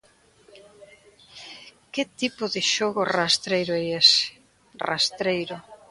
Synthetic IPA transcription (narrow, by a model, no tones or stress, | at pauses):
kɪt̪ipʊðɪʃoɣʊrast̪ɾejɾʊɛjesɪ̥ | ra̰st̪ɾejɾʊ